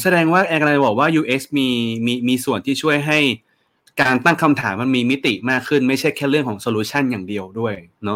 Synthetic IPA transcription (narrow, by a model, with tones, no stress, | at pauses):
sa˧dɛː˧ŋwaː˥˩ʔɛː˧ka˧la˧bɔː˨˩k̚waː˥˩juː˧ʔe˦˥smiː˧miː˧miː˧su˨˩ənt̪ʰiː˥˩t͡ɕʰu˥˩əjɦa˥˩j | kaː˧nt̪a˥˩ŋkʰa˧mt̪ʰaː˩˦mːa˧nmiː˧mi˦˥t̪i˨˩maː˥˩kʰːɯ˥˩nma˥˩jt͡ɕʰa˥˩jkʰɛː˥˩ɾɯ˥˩əŋkʰɔː˩˦ŋsoː˧luː˧˥t͡ɕʰa˥˩njaː˨˩ŋdi˧əwdu˥˩əjnɔ˦˥